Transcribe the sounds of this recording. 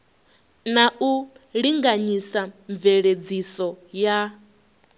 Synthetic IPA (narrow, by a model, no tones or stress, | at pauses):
naʔuɺiŋɡaɲisaɱveɺed͡zisɔja